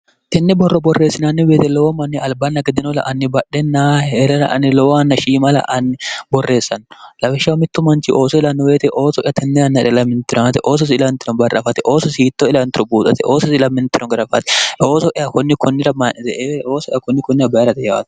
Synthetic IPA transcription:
t̪ɛnːɛbɔrːɔbɔrːe̞ːsːɪnɐnːɪweːt̪ɛlɔwɔmɐnːɪɐlbɐnːɐɡɪd̪ɪnɔlɐ̰ʔɐnːɪbɐᶑɛnːaeɾɐlɐ̰ʔɐ̰nːɪlɔwɐnːɐʃiːmɐlɐ̰ʔɐnːɪbɔrːe̞ːsːɐnlɐfɛʃːɐwmɪt̪ːʊmɐnt͡ʃɪʔo̞ːsɔɪlɐnːɔweːt̪ɛʔo̞ːsɔʔɪjat̪ʰɛnːɛɐnːɐᶑɛlɐmːɪnt̪ːɪɾɔnt̪ɛʔo̞ːs̬ɔs̬ɪlɐnt̪ːɪɾɔnbɐɾʔɐfɐt̪ɛʔo̞ːsɔsiːt̪ːɔɪlɐnt̪ɪɾɔbuːt̪ʼɐt̪ɛʔoːsɔsɪlɐmːɪnt̪ːɪɾɔɡɪɾɐfɐt̪ɛʔoːsɔʔɪjakɔnːɪkʰɔnːɪɾɐmɐnɪt̪ɛoːsɔʔɪjakɔnːɪkɔnːɪɾɐbɐjɐɾɐt̪ɛjɐwɐ̰t̪

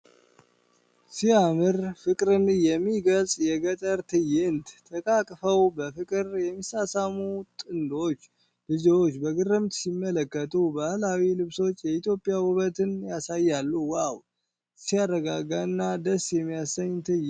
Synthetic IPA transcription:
siamɨɾfɨkʼɾɨnjɛmːiɡəlsʼjɛɡət̪ʼəɾt̪ʰɨjɪnt̪t̪ʰəkʼakʼfəwbəfɨkʼɨɾjɛmːisasamut̪ʼɨnd̪o̞t͡ʃː | bɨziwo̞t͡ʃːbəɡɨrːɨmt̪simːələkːət̪ʰʼubahlawilɨβso̞t͡ʃːjɛit̪jo̞pʼɪjawʊβət̪ɨnjasajːalːuwaw | sijarəɡaɡaɨnːad̪əsjɛmːijasːəɲt̪ʰɨj

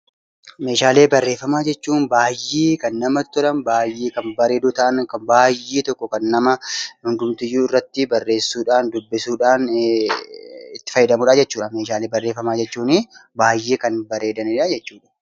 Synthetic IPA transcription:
me̞ːʃaːleːbɐrːeːfːɐmaːd͡ʒɛt͡ʃːuːnbaːjːeːkɐnːɐmɐt̪ːʊɾɐnbaːjːeːkɐnbɐɾe̞ːd̪uːt̪ɐʔɐnkɐbaːjːeːt̪ɔkːɔkɐnːɐmɐhʊnɡ̪ʊmt̪ɪjːuːɪrːɐt̪ːɪbɐrːe̞ːsːuːᶑaːnd̪ʊbːɪsuːᶑaːn | ɪt̪ːɪ̥fɐjːɪd̪ɐmuːᶑad͡ʒɛt͡ʃːuːᶑɐme̞ːʃaːle̞ːbɐrːe̞ːfːɐmaːd͡ʒɛt͡ʃːuːnɪbaːjːeːkɐnbɐɾeːd̪ɐnɪᶑaːd͡ʒɛt͡ʃːuːᶑɐ̥

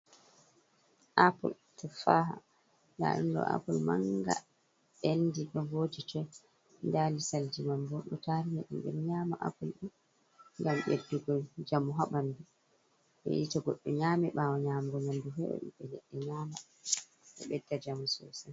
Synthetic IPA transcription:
ʔapɔ̰l | tɔfaɦa̰ | na̰ɗṵndɔ̰ʔa̰pɔlma̰ŋɡa̰ | endiɗɔvod͡ʒitɔ | ndalisald͡ʒimambɔnɗɔtaɾinɛɗumɓɛmɲaːmaʔa̰pɔlɗun | ŋɡamɓedːuɡɔld͡ʒamuɦaɓandu | ɓɛ̰jitɔɡɔɗːɔɲaːmɛɓawɔɲaːmɡɔnanduɦɛɓɛ̰ɗṵɓɛlɛɗːɛɲaːma | ɓɛ̰ɓɛdːad͡ʒamusɔsa

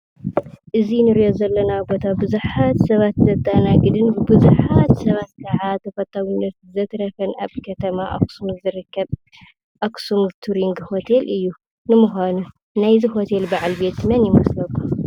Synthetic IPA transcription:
ʔɨzinɨɾijozɐlːɐnabo̞t̪ʰabɨzuħat̪sɐβat̪zɐt̪ʼːanaɡɨd̪ɨnbɨbɨzuħat̪sɐβat̪̚kʰɐʕat̪ʰɐfɐt̪ʰʼːawinːɐt̪̚zɐt̪ɾɐfɐnaβkʰɐt̪ʰɐmaʔa̰ksumzɨɾɨkʰːɐβ | ʔaksumt̪ʰuɾiŋɡho̞t̪ʰelɨjːu | nɨmuxʷanu | najziho̞t̪ʰe̞lbaʕalbe̞t̪mɐnjɪmɐslɐkʰʼːu

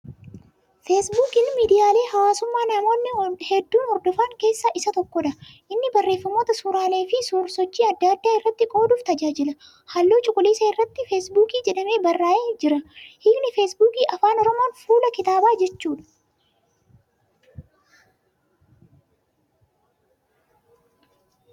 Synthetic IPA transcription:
feːsbuːkɪnmiːd̪ɪjaːle̞ːhɐwaːsʊmːaːnɐmo̞ːnːɪhɛd̪ːuːnhɔɾd̪ɔfaːŋke̞ːsːaʔɪsɐt̪ɔkːɔᶑ̪ɐʔɪnːɪbɐrːe̞ːfːɐmoːt̪ɐsuːɾaːle̞ːfɪsuːɾsɔt͡ʃːiːɐd̪ːɐd̪ːaːɪrːɐt̪ːɪkʼo̞ːd̪uːft̪ɐd͡ʒaːd͡ʒɪlɐ | hɐlːoːt͡ʃʼʊkʼʊleːsɐɪrːɐt̪ːɪfeːsbuːkiːd͡ʒɛᶑɐme̞ːbɐrːaːʔeːd͡ʒɪɾɐhɪːknɪfesbuːkiːʔɐfaːnɔɾɔmo̞ːnfuːlɐkɪt̪aːbaːd͡ʒɛt͡ʃːuːᶑɐ̥

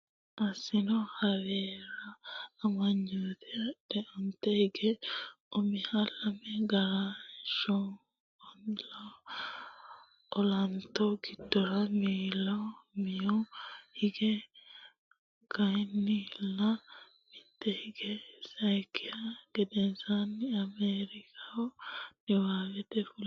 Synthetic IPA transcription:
asinohaβɛɾaːmaɲuðadɛont̪ehiɡe | omihalameɡaɾaʃɔ | onla | olant̪oɡitːoɾamiːlɐmɪjɔhɪɡɛ | ɡ̥ɐjnːɪlːɐ | mɪt̪ːɛhɪɡɛsɐjkɪjɐɡ̥ɛd̪ɛzanːɪɐmeːɾɪkʰawɔnɪwaːɡɛt̪ɛfʊl

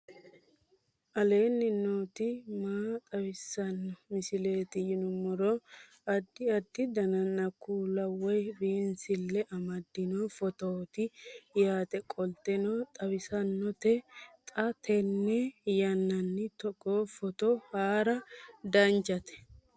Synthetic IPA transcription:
ʔɐle̞ːnːɪnoːt̪ɪmaːt̪ʼɐwɪsːɐnːɔmɪsɪle̞ːt̪ɪjɪnʊmːɔɾɔ | ɐd̪ːɪɐd̪ːɪd̪ɐnɐnːɐkːuːlɐwɔjbiːnsɪlːɛʔɐmɐd̪ːɪnoːfɔt̪oːt̪ɪjaːt̪ɛkʼɔlt̪ɛnoːt̪ʼɐwɪsɐnːɔt̪ɛt̪ʼɐt̪ʰɛnːɛjɐnːɐnːɪt̪ɔkʼːoːfɔt̪ɔhaːɾɐd̪ɐnd͡ʒɐt̪ɛ̥

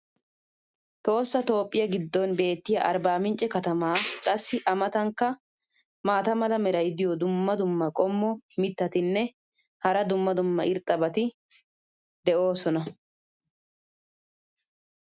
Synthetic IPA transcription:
t̪o̞ːsːɐt̪o̞ːpʼːɪjɐɡɪd̪ːɔnbe̞ːt̪ːɪjɐ̰ʔɐɾbaːmɪnt͡ʃʼɛkɐt̪ɐmaːkʼɐsːɪʔɐmɐt̪ɐŋkːɐ | maːt̪ɐmɐlɐmɛɾɐjd̪ɪjɔd̪ʊmːɐd̪ʊmːɐkʼɔmːɔhmɪt̪ːɐt̪ɪnːɛ | hɐɾɐd̪ʊmːɐd̪ʊmːɐ̰ʔɪɾt̪ʼːɐbɐt̪ɪ | d̪ɛʔo̞ːsɔnɐ

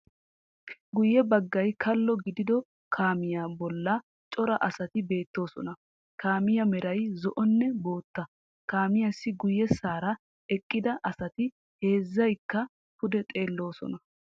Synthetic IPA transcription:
ɡʊjːɛbɐɡːɐjkʰɐlːɔɡɪd̪ɪd̪ɔ | kʰaːmɪjaːbɔlːɐ | t͡ʃʼɔɾɐʔɐsɐt̪ɪbe̞ːt̪ːo̞ːsɔ̰nɐ | kaːmɪjɐmɛɾɐjzɔʔɔnːɛbo̞ːt̪ːɐ | kaːmɪjɐsːɪɡʊjːɛsaːɾɐ | ɛkʼːɪd̪ɐʔɐsɐt̪ɪ | he̞ːzːɐjkːɐ | pʊd̪ɛt̪ʼe̞ːlːo̞ːsɔ̰nɐ

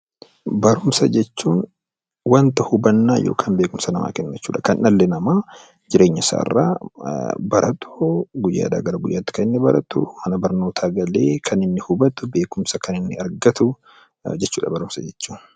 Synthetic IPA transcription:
bɐɾʊmsɐd͡ʒɛt͡ʃːuːn | wɐnt̪ɐhʊbɐnːaːjo̰ːkʰanbe̞ːkʊmsɐnɐma̰ːkɛnːɐt͡ʃːṵːᶑɐkɐnʔʔɐlːɛnɐmaː | d͡ʒɪɾe̞ːɲːɐsa̰ːɪ̰rːa̰ː | bɐɾʔɐt̪ʰoɡʊjːa̰ːd̪a̰ːɡɐɾɐɡʊjːaːt̪ːɪ̥kɐɪnːɛbɐɾɐt̪ʊmɐnɐbɐɾno̞ːt̪ʰaːɡɐle̞ːkʰɐnɪnːɪhʊbɐt̪ʊbe̞ːkʊmsɐkʰɐnɪnːɪɐɾɡɐt̪ʊ | d͡ʒɛt͡ʃːuːᶑɐbɐɾʊmsɐd͡ʒɛt͡ʃːuːn

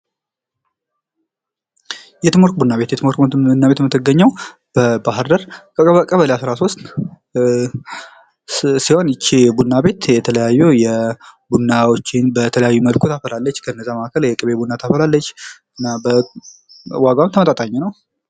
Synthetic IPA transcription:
jɛt̪ʰɨmoɾkbunːaβe̞t̪jɛt̪ɨmoɾkmənt̪unːaβet̪mɨt̪ːɨɡəɲːəw | b̥əbaɦɨɾd̪əɾkʼəəkʼəβəlejasɾaso̞st̪ | siho̞nɪt͡ʃːibunːabe̞t̪jɛt̪ʰələjajːujɛbunːawot͡ʃːɪnbət̪ʰələjajːuməlkʰut̪ʰafəlalːət͡ʃːkʰəɨnːəzːaməakəljɛkʼɨβebunːat̪ʰafəlalːət͡ʃː | ɨnːabə | waɡamt̪ʰəmət̪ʼat̪ʼaɲːɛnəw

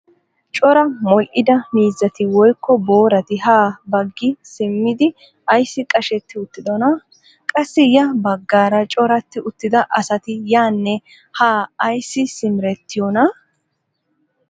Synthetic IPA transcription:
t͡ʃʼɔɾɐmɔlʔɪd̪ɐmiːzːɐt̪ɪwɔjkːɔbo̞ːɾɐt̪ɪhaːbɐɡːɪsɪmːɪd̪ɪ | ɐjsːɪkʼɐʃɛt̪ːɪʊt̪ːɪd̪ɔnɐ | kʼɐsːɪjɐbɐɡːaːɾɐt͡ʃʼɔɾɐt̪ːɪʊt̪ːɪd̪ɐʔɐsɐt̪ɪjaːnːɛ | haːɐjsːɪsɪmɪɾɛt̪ːɪjɔnɐ

